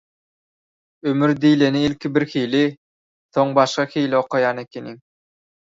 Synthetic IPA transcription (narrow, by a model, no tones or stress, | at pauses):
ømyɾd̪iːleniilʲkʰibiɾxiːli | θo̞ŋbɑʃχɑxiːlioqʰojɑːne̞kʲeniŋ